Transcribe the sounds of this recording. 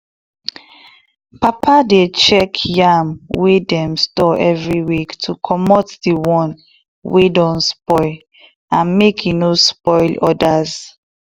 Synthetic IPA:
papʰadet͡ʃɛkʰjamwedɛ̃mstɔʔɛvɹiwiktʰukʰɔmɔtdiwɔ̃n | wedɔ̃nspɔl | ãnmekjinospɔɪlɔdaz

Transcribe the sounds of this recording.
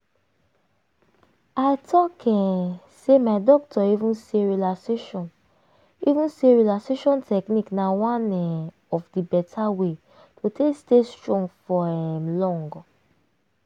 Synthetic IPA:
aɪtʰɔkʰɛ̃ | semaɪdɔk̚tʰɔivũnseɹilaseʃɔ̃n | ivũnseɹilakseʃɔ̃ntʰɛkniknawãnɛ̃ | ɔfdibɛtʰawe | tʰotʰestestɹɔ̃ŋɡfɔɛmlɔ̃ŋɡɔ

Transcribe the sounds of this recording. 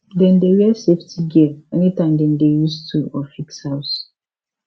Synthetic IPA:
dɛ̃ndewɛɛseftiɡiɛɛnitãɪ̃mdɛndejustʰuɔfikshaʊs

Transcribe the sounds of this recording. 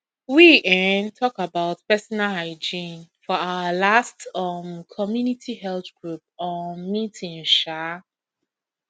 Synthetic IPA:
wiʔɛ̃ntʰɔkabaʊtpɛsɔnalaɪd͡ʒĩnfɔaʊəlastʌmkʰɔmjunitʰihɛlθɡ̥ɹup̚ɔ̃nmitʰĩŋʃa

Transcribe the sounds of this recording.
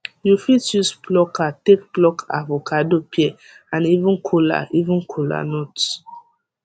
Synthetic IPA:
jufitjusplɔkatek̚plɔka̰vokʰadopiɛ | ãnivũnkʰula̰ʔivũnkʰula̰nɔt

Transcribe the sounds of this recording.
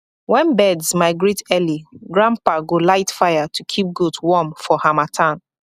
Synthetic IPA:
wɛ̃nbɛdzmaɪɡɹitʰɛliɡɹãmpaɡolaɪtfajatʰukʰip̚ɡudwɔmfɔhamatʰãn

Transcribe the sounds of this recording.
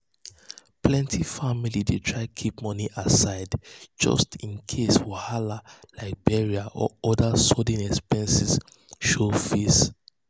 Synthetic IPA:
plɛ̃ntʰifamilidetʰɹaɪkʰip̚mɔniʔasaɪdd͡ʒɔ̰stĩnkʰeswɔhalalaɪk̚bɛɹiaʔɔ̰ɔdasɔdĩnɛkspɛ̃nsis | ʃofis

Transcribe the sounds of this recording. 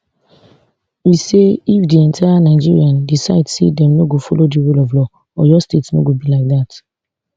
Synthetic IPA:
wiseifdiɛ̃ntʰaanaɪd͡ʒḭɹiãndisaɪdsḛdɛ̃mnoɡofɔlodiɹulɔvlɔ | ɔjɔstetsno̰ɡobilaɪk̚dat

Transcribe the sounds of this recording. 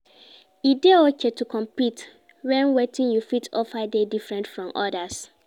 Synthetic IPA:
ideɔkʰɛtukʰɔ̃mpit | wɛ̃nwetʰĩnjufitʰɔfadedifɹɛ̃ntfɹɔ̃mʔɔdas

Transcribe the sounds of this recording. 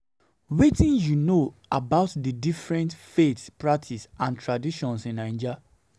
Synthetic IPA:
wetĩnjunoabaʊtdidifɹɛ̃ntfetspɹak̚tʰisãntɹadiʃɔ̃nsĩnãɪ̃nd͡ʒa

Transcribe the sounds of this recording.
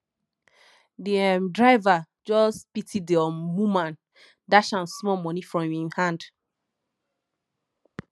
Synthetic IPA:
diɛmdɹaɪva | d͡ʒɔspitʰiddiɔmumãn | daʃãnsmɔmɔnifɹɔ̃mĩhãnd

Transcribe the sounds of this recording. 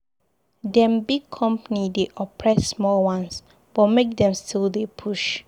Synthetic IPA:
dɛ̃mbiɡ̚kʰɔ̃mpanideʔɔpʰɹɛsːmɔwãns | b̥ɔtmek̚dɛ̃mstʰildepʰuʃ

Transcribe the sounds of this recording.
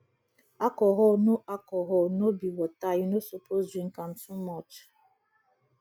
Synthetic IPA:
akɔɦɔnoʔakɔɦɔnobiwɔtajinosopoziŋ̩kan̩tumɔt͡ʃ

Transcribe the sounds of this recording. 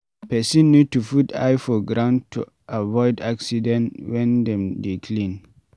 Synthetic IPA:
pɛsĩnːud̚tufuta̰jfɔɡɾãʊ̃ntʰṵ | ʔavɔɪdaksidɛ̃nwɛ̃ndɛ̃mdekʰlĩn

